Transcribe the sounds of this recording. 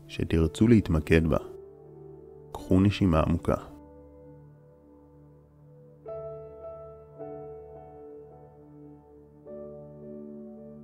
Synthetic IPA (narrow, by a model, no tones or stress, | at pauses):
ʃe̞̰tiʁt͡sulehit̪make̞dba̰ | kχuneʃimaa̰mukʰa̰